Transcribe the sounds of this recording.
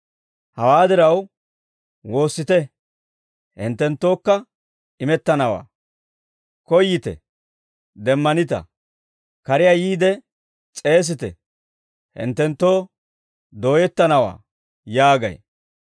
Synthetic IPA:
hɐwaːd̪ɪɾɐw | wo̞ːsːɪt̪ɛ | hɪ̰nt̪ːɛnt̪ːo̞ːkːɐ | ɪmɛt̪ːɐnɐwa̰ː | kɔjːɪt̪ɛ̰ | d̪ɛmːɐnɪt̪ɐ̰ | kɐɾɪjaːjiːd̪ɛ | t͡sʼe̞ːs̬ɪt̪ɛ | hɪ̰nt̪ːɛnt̪ːo̞ː | d̪o̞ːjɛt̪ːɐnɐwa̰ː | jaːɡɐ̰j

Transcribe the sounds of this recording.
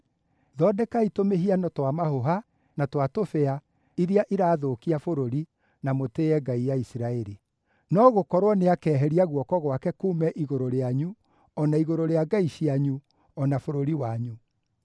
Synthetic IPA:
ðɔdɛkaitomeɦianɔtwamahoɦa | natwatofɛa | iɾiaʔiɾaːðokiafoɾoɾi | namoteːɛɡaijaisiɾaɛɾi | nɔɣokɔɾwɔneakɛːɦɛɾiaɣwɔkɔɣwakɛkuːmɛʔiɣoɾoɾeaɲu | ɔnaiɣoɾoɾeaɡaiɕiaɲu | ɔnafoɾoɾiwaɲu

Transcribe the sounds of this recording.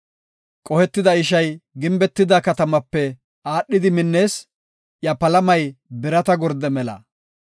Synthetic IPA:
kʼɔhɛt̪ːɪd̪ɐɪʃɐjɡɪmbɛt̪ːɪd̪ɐkɐt̪ɐmɐpːɛ | aːɗːɪd̪ɪmɪnːe̞ːs | jɐpɐlɐmɐjbɪɾɐt̪ɐɡɔɾd̪ɛmɛlɐ̰

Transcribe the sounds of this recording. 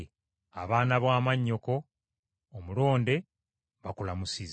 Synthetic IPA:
a̰βaːnaβwaːmaɲːo̞ko̞ː | mulo̞ːnde̞ | βakulamusiz

